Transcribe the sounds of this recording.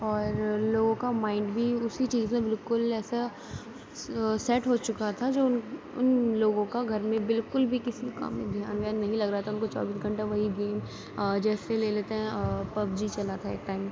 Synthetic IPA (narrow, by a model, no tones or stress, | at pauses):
ɔːɾloːɡõkamaːɪ̃ɳɖbʱiʊsit͡ʃiːzmẽbɪlkʊlɛːsa | sɛʈɦot͡ʃʊkat̪ʰad͡ʒoːʊn | ʊ̰nloːɡõkaɡʱɐɾmẽbɪlkʊlbʱikɪsika̰ːmːḛ̃d̪ʱja̰ːnʋjaːnːɐɦĩlɐɡɾɐɦat̪ʰaʊnkot͡ʃa̰ːbiːsɡʱɐ̃ɳʈaʋɐɦiɡeːm | d͡ʒɛːseleːleːt̪eɦɛ̃pɐbd͡ʒit͡ʃɐlat̪ʰaḛːk̚ʈaːɪm